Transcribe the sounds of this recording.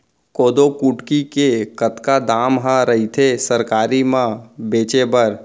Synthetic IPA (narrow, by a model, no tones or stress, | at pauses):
koːd̪okuʈkikekət̪kad̪aːmɦãɾəɦit̪ʰesəɾkaːɾimãbeːt͡ʃebəɾ